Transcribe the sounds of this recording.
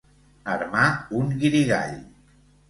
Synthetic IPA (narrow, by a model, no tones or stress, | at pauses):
əɾmauŋɣiɾiɣa̰ʎ